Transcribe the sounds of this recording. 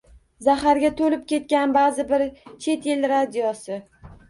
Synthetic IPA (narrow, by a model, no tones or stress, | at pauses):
zaɦaɾɡʲat̪ʰolɪp̚kʲʰe̞t̪̚kʲanbazɪbɪɾt͡ʃʰe̞t̪jelɾad̪ijɒsɪ